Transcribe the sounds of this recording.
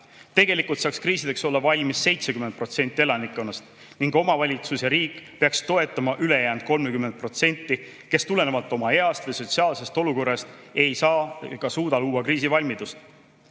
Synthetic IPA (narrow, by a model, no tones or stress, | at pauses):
t̪e̞ɡe̞likult̪sɑːkskrɾiːsid̪̥e̞kso̞lːɑvɑlʲmisːe̞jt̪se̞kymed̪̚pro̞t̪se̞nʲt̪ːˑie̞lɑnikːˑo̞nːɑst̪ | niŋɡo̞mɑvɑlʲit̪susjɑɾiːkːˑpe̞ɑkst̪o̞e̞t̪ːˑɑmɑʔyle̞jæːnd̪̥̚ko̞lmekyme̞nt̪̚pro̞t̪se̞nʲt̪ˑːi | ke̞st̪ule̞ne̞vɑlt̪ːˑo̞mɑe̞ɑst̪vɯjso̞t̪ʲsiɑːlse̞st̪o̞luko̞rːɑst̪ | e̞jsɑːkɑsuːd̪̥ɑluːwɑkriːs̬ivɑlʲmid̪ust̪